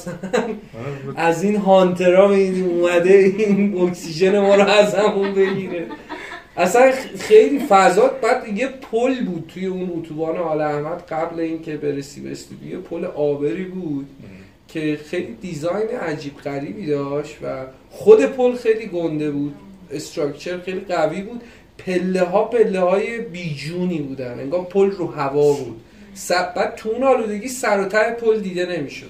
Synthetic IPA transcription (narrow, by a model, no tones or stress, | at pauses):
sæn | ʔæzinɦɒnt̪ʰe̞ɾɒːmibiniːmumæd̪e̞inocsiʒe̞ne̞mɒːɾoæzhæmumbe̞ɟiːɾe | ʔæsænxe̞jliːfæzɒːd̪̚bæd̪ːijepʰolbuːd̪̥̚t̪ʰuje̞unut̪ʰubɒːneɒːlæhmæd̪̥ɢæbleiːncʰe̞beɾesḭːbḛsd̪ḭb̪ujepʰoleʔɒːbe̞ɾiːbuːd̪̥ | cʰe̞xe̞jlid̪izɒjneʔæd͡ʒiːbɢæɾiːbiːd̪ɒːʃt̪væ | χod̪e̞pʰolxe̞jliːɡo̞nd̪e̞buːd̪̥est̪ɾɒkt͡ʃʰe̞ɾxejliɢæviːbuːd̪̥ | pʰe̞lːe̞ɦɒːpʰe̞lːehɒːje̞biːd͡ʒuːniːbuːd̪æne̞̰ŋɡɒːvpʰolrohævɒːbuːd̪̥ | sæb̥æːd̪̥̚t̪ʰuunɒːluːd̪e̞ɟiːsæɾot̪ʰæɾepʰold̪iːd̪e̞ne̞miːʃo̞̰d̪